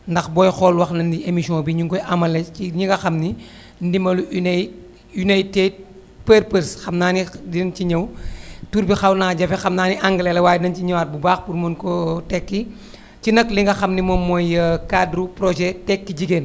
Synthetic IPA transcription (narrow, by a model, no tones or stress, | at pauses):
ndɐxbɔjxɔlwɐxnɐndiemiʃiɔ̃biɲuŋkɔjʔɐmɐlɛciɲiŋɡɐxɐmni | ndimɐlun | unajted̚ | pəɾpəɾsxɐmnaːnidinciɲɐwtuɾbixɐwnaːɟɐfɛxɐmnaːniʔɐŋɡɐlɛlɛwaːjdinɐnciɲɐwat̚bubaːxpurmɐnkɔtɛkːi | cinɐkliŋɡɐxɐmnimɔmːɔjəkadɾupɾɔʒɛtɛkːiɟiɡeːn